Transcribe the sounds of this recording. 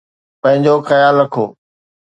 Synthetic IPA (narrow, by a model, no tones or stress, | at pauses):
pɐ̃ɦɪ̃ɲd͡ʑoxɐjaːlɾɐkʰoː